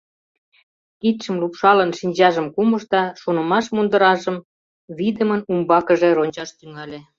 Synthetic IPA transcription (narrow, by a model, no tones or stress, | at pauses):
kit̪ʃəmlupʃɑlənʃinʲd͡ʑɑʒəmkuməʃt̪ɑʃunə̆mɑʃmund̪əɾɑʒəm | βid̪əmənumbɑkəʒeɾonʲt͡ɕɑʃt̪yŋɑlʲe